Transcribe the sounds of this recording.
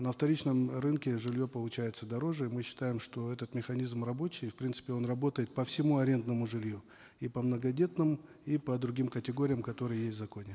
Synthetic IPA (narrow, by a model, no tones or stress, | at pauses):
nəɐft̪ɐɾʲit͡ɕnəmrɨnkʲɪʐɨlʲjo̞pəlˠʊt͡ɕæjɪt̪səd̪ɐɾo̞ʐɨmɨɕːɪ̥t̪ajɪmʂt̪o̞ɛt̪ət̪mʲɪxɐnʲizmrɐbo̞t͡ɕɪjfpɾʲint̪sɨ̥pʲɪo̞nrɐbo̞t̪əjɪt̪̚pəfsʲɪmuɐɾʲe̞nd̪nəmʊʐɨlʲju | ipəmnəɡɐdʲe̞t̪nɨmipəd̪ɾʊɡʲimkətʲɪɡo̞ɾʲɪjəmkɐt̪o̞ɾɨjjesʲtʲzɐko̞nʲɪ